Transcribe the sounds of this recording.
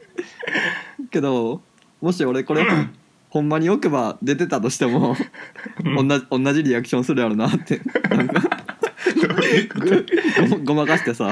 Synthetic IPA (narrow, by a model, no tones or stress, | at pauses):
ke̞d̪o̞ | mo̞ɕ̬io̞ɾe̞ko̞ɾe | hõ̞mːaɲ̟io̞ke̞bad̪e̞t̪e̞t̪at̪o̞ɕi̥t̪e̞mo̞ | õnːaõnːaʑiɾʲiakɯ̟ɕõɰ̃sɨɾjaɾɯnat̪ːe̞nãŋka | ɡɡoɡo̞makaɕi̥t̪e̞sa